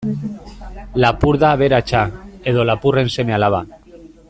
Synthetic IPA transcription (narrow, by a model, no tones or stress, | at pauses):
lapuɾðaːβeɾat͡ʃaeðolapurensemealaβ̞a